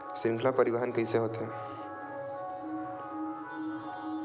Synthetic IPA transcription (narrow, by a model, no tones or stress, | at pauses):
sɾɪ̃ŋkʰlapəɾibaɦənkəjseɦoːt̪ɛ